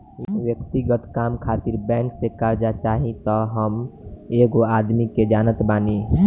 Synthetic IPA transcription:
wjək̚t̪iɡət̪kaːmkʰaːt̪iɾbɛ̃ːŋksekaɾd͡ʒat͡ʃaːɦĩt̪ɔɦəmeɡoaːd̪miked͡ʒaːnət̪baːni

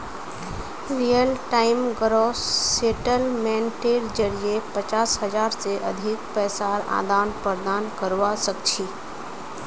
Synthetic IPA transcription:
ɾijəlʈaɪmɡɾoseʈəlmɛ̃nʈeɾd͡ʒəɾiepət͡ʃaːsɦəd͡ʒaːɾseʔə̰d̪ʱikpɛːsaːɾa̰ːd̪aːnpəɾd̪aːnkəɾʋasək̚t͡ʃʰi

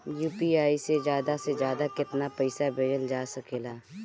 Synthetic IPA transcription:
juːpiaːisezjaːd̪asezjaːd̪akɪt̪napɐɪsabʱeːd͡ʒəld͡ʒaːsɐkeːlaː

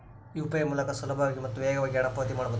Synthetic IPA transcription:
juːpɐjɐmuːlɐkɐsulɐbʱʋaːɡimɐt̪ːuʋeːɡɐʋaːɡʲiɐɽɐpːɐɦɐt̪̬imaːɽubod̪

